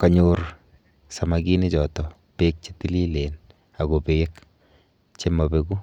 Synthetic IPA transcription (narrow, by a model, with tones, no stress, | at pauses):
ka˨ɲor | sa˨maki˦ne˦t͡ʃɔ˨tɔ˨ | pe˦k̚t͡ʃe˦ti˦li˦le˨n | a˨ɡo˨pe˨ek | t͡ʃe˦ma˨beku˦